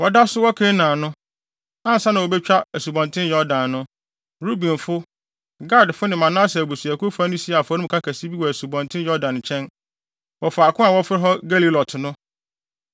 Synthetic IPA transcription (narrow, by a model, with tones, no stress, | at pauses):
wɔ˦da˦sʊ˦wɔ˦kʰẽ˦nãː˨nʊ̃˦ | ã˦n̩˨sa˦nã˨wo˨bɛ˦t͡ɕᶣa˦æ˨su˨bɔ̃˨ntʰɪ̃˦njɔ˦dã˨nːʊ̃˦ | ɾu˦bĩ˨nfʊ˦ | ɡa˦˨dfʊ˦nɪ̃˨mã˨nã˦sɛ˨bu˨su˨æ˨kʰʊ˦fa˦nʊ̃˦si˦˨a˨fʊ˨a˨˦ʊ˦˨kʰa˦kʰæ˨si˦bi˦wɔ˨æ˨su˨bɔ̃˨ntʰɪ̃˦njɔ˦dã˨n˨t͡ɕʰɛ̃˦n | wɔ˨fa˨a˨kʰʊ̃˦a˨wɔ˦fɪ˦ɾɪ˦ɦɔ˦ɡa˦li˦lɔ˨tʰɪ˨nʊ̃˦